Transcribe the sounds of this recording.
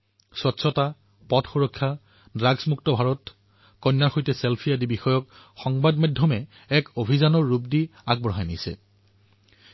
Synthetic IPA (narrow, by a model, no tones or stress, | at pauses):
swɔtsʰɔta | pɔtxuɹɔkʰːja | dɹaɡsmuk̚tɔbʱaɹɔt | kɔnːaɹxojtɛselpʰijadibixɔjɔk̚ | xɔŋbadmajdʱjɔmɛ | ɛkobʱizanɔɹːup̚diaɡ̚bɔɦajnisɛ̰